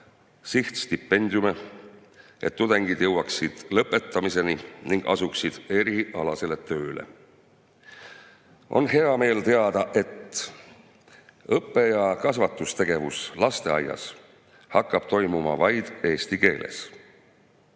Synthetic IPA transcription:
siht̪st̪ipːˑe̞nʲd̪ʲjume̞ | ʔe̞t̪ːud̪̥e̞ŋɡ̥id̪̥jɤwɑksid̪̥lɤpːˑe̞t̪ːˑɑmise̞niniŋɡ̥ɑ̰suksid̪̥e̞ɾiʔɑlɑse̞le̞t̪ø̞ːle̞̰ | ʔo̞̰nɦe̞ɑme̞ːlt̪e̞ɑd̪̥ɑʔe̞t̪ː | ɤpːe̞jɑkɑsvɑt̪ːˑust̪e̞ɡ̥e̞vuslɑst̪e̞ɑ̰jɑ̰s | hɑkˑːɑb̥̚t̪o̞jmumɑ̰vɑjd̪̥e̞ːst̪ike̞ːlʔḛs

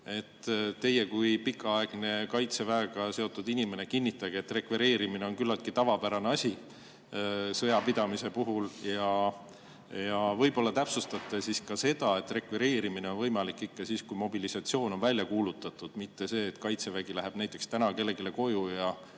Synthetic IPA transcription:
e̞t̪ːt̪ːe̞je̞kujpikːˑɑɑe̞ɡ̥ne̞kɑjt̪se̞væeɡ̥ɑse̞o̞t̪ːˑud̪inime̞nekinʲːit̪ːˑɑɡ̥eet̪ːˑre̞kveɾe̞ːɾimine̞o̞nkylːɑlt̪̚kit̪ɑvɑpæɾɑneɑsʲi | sɤ̞jɑpid̪̥ɑmise̞puɦuljɑ | jɑvɤ̞jbo̞lːɑt̪æpsust̪ɑt̪ːˑesiskɑse̞d̪̥ɑe̞t̪ːˑre̞kveɾe̞ːɾimine̞o̞nvɤ̞jmɑlikːˑikːɑsiːskujmo̞bilisɑt̪sio̞ːno̞nvælʲjɑkuːlut̪ːˑɑt̪ːˑud̪̥mit̪ːe̞se̞ːt̪kɑjt̪se̞væɡ̥ilæɦe̞b̥næjt̪ːˑe̞kst̪ænɑke̞lːe̞ɡile̞ko̞jujɑ

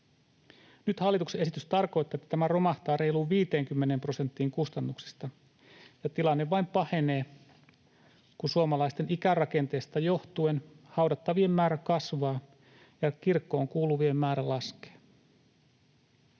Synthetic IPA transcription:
nyt̪hɑlːit̪ukseʔesit̪yst̪ɑrko̞jt̪ːˑɑːet̪ːæ̥t̪æmæro̞mɑht̪ɑːɾe̞jluːʋiːt̪e̞ːŋkymːe̞nempro̞se̞nt̪ːiːŋkust̪ɑnːuksi̥st̪ɑ | jɑt̪ilɑnːe̞ʋʋɑjmpɑhe̞ne̞ː | kusuomɑlɑjst̪e̞nikærɑke̞nt̪e̞ːst̪ɑjo̞ht̪ue̞n | hɑwdɑt̪ːɑʋie̞mːæːɾækɑsʋɑː | jɑk̟irkːo̞ːŋkuːluʋie̞mːæːɾælɑske̥ː

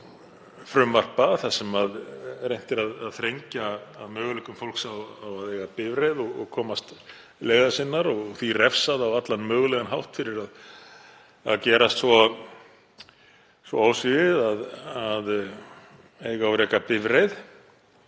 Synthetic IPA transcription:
fɾʏmvar̥paθasɛmaðɾejn̥t̪ɪɾaðaðθɾejɲcaaðmœːɣʏlɛkʏmfowl̥ksawːwaðejɣapɪvɾejðɔɣɔɣkʰɔːmast̪ | leːɣðasɪnːaɾɔɣɣθirɛfsaðawat̪lanmœːɣlɛɣanɦawht̪fɪɾɪɾað | a̰ðcɛːɾast̪sɔ | svɔ̰aːwsɪɪðaðað | eːjɣawɾɛːkapɪvɾejð

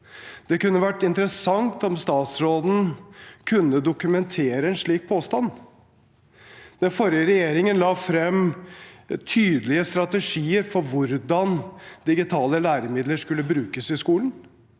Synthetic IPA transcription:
d̪̥ɛkʉnːəʋæʈːɪnt̪əɾəsɑŋt̪ɔmst̪ɑːt̪sɾoːd̪n̩kʰʉnːəd̪ʊkʉmɛnt̪ʰeːɾəɛnʂɭiːk̚pʰoːst̪ɑn | d̪̥ɛnfɔɾjəɾɛjeːɾɪŋənlɑːfɾɛm | t̪ʰyːd̪əlɪəst̪ɾɑt̪əʂiːəɾfɔɾʋʊɾd̪ɑnd̪̥ɪɡɪt̪ʰɑːləlæːɾəmɪd̪ləʂkʉlːəbɾʉːkəsɪskuːln̩

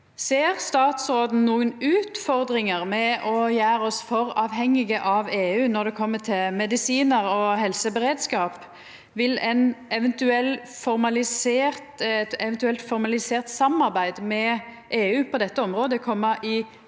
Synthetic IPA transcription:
seːʁst̪ɑːt̪sɾoːd̪n̩nuːənʉːt̪fɔʁd̪ʁɪŋəʁmɛɔjæːɾɔsfɔɾɑːʋɦɛŋːɪɡəʔɑʋeːʉːnɔʁd̪ɛkʰɔmːət̪ʰɪlmɛd̪ɪsiːnəʁɔhɛlsəbɛʁeːd̪skɑːp | ʋɪlɛnɛʋɛnt̪ʉɛlːfɔʁmɑlɪseːʁt̪t̪ɛʋɛnt̪ʉɛlt̪fɔɾmɑlɪseːʁt̪sɑmɑʁbæɪd̪mɛ | ʔeːʉːpʰɔd̪ɛt̪ːəɔmʁoːd̪əkʰɔmːɑʔɪ

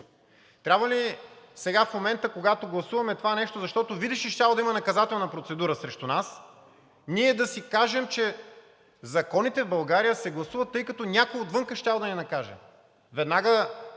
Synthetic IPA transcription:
t̪ɾʲabvəlisɛɡafmomɛnt̪əkoɡat̪oɡlˠɐsuvɐmɛt̪ovanɛʃt̪ozɐʃt̪ɔt̪ovid̪iʃiʃt̪ʲalˠod̪ɐimɐnɐkɐzat̪ɛlˠnɐpɾot̪sɛd̪uɾəsɾɛʃt̪unas | niɛd̪ɐsikaʒɛmt͡ʃɛ | zɐkɔnit̪ɛvbɐlˠɡaɾijəsɛɡlˠɐsuvɐt̪ːɤjkɐt̪ɔnʲakojot̪vɤŋkəʃtʲavˠod̪ɐnɛnɐkaʒɛ̰ | vɛd̪naɡə

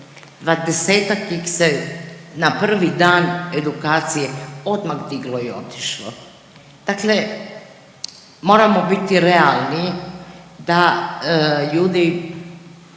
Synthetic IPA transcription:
d̪ʋad̪eseːt̪akːixsenapr̩ʋid̪aːned̪ukaːt̪sijeo̞d̪maɣd̪iɡloio̞t̪i̥ʃlo̰ | d̪̥akle | mo̞ːɾamobit̪iɾɛalni | d̪a | ʎuːd̪i

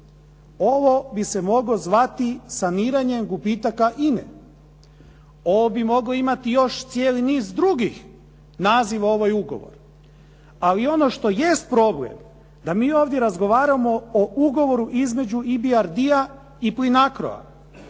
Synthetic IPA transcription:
o̞ʋo̞bise̞mo̞ɡlo̞zʋat̪isaniːɾaɲe̞mɡupit̪akaʔinḛ | o̞ʋobimo̞ɡloimat̪ijo̞ʃt̪sjeːliniːzd̪ɾuɡix | naːziʋao̞ʋajuɡo̞̰ʋo̰ɾ | alio̞no̞ʃt̪o̞jest̪̚pɾo̞blḛm | d̪amiːo̞ːʋd̪je̞ɾazɡo̞ʋaːɾamo̞ouɡo̞ʋo̞ɾuʔizme̞d͡ʑuibiaɾd̪ia | iplinakɾo̰a̰

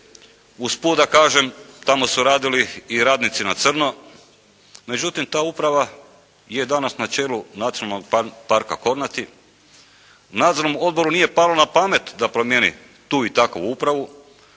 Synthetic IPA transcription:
uspuːd̪akaːʒemt̪amo̞suɾaːd̪iliːɾaːd̪nit̪sinat̪sr̩no̞ | me̞d͡ʑut̪imt̪aːupɾaʋa | je̞d̪anasnat͡ʃe̞ːlunat̪sionalnoɡ̚paɾka̰ko̞ɾnat̪i | unaːd̪zoɾnomo̞d̪̚bo̞ɾunije̞palonapame̞t̪d̪apɾomjenḭ | t̪uːit̪akoʋuupɾaʋu

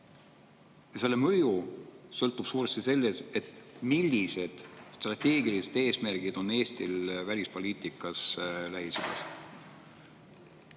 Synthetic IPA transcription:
jɑse̞lːe̞mɤjusɤ̞lt̪ːˑub̥suːɾest̪ise̞lːe̞se̞t̪ːˑmilʲːise̞d̪̥st̪rɑt̪ʲe̞ːɡilise̞d̪̥e̞ːsmæɾɡ̥id̪̥o̞nːe̞ːst̪ilvælʲispo̞lʲiːt̪ˑikːˑɑslæɦisyd̥̪ɑ̰s

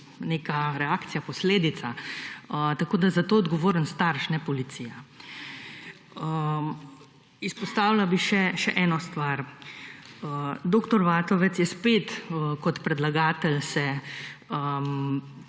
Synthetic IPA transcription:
neːkaɾɛaːkt̪sijapɔsleːd̪it̪saət̪akoːd̪azat̪oːɔd̪ɡɔʋoːɾənst̪aɾʃnɛpɔlit̪siːja | ə | ispɔst̪aːwlabiʃɛʃɛʔɛːnɔst̪ʋaɾ | əd̪oːkt̪ɔɾʋaːt̪ɔʋɛt̪sjɛspeːt̪kɔt̪pɾɛd̪laɡaːt̪ɛlsɛ | ə

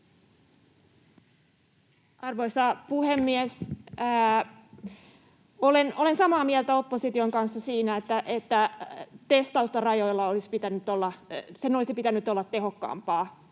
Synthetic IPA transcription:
ɑrʋo̞isɑpuhemːies | oleno̞lensɑmɑːmielt̪æo̞pːosit̪ioŋkɑnsːɑsiːnæet̪ːæʔet̪ːæt̪est̪ɑust̪ɑrɑjojlːɑolisi̥pit̪ænyt̪olːɑsenolisipit̪ænːyt̪olːɑt̪ːe̞ɦo̞kːɑ̰ːmpɑː

